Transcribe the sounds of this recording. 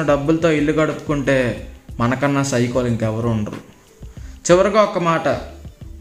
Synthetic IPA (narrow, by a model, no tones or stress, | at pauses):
ɐɖɐbːulɐt̪o̞ːiɭːuɡɐɽupu̥kuɳʈe̞ːmɐnɐkɐnːaːsɐjkoːliŋkɛʋɐɾuːɳɖɐɾṵ | t͡ʃiʋɐɾuɡaːɔkɐmaːʈɐ